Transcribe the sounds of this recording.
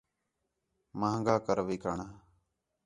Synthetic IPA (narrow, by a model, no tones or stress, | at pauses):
mãːŋɡaːkəɾʋiːkaːɳaː